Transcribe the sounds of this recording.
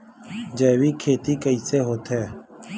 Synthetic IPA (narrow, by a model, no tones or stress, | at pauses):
d͡ʒeːʋiːkʰeːt̪iːkəiːseːɦoːt̪ɦɛː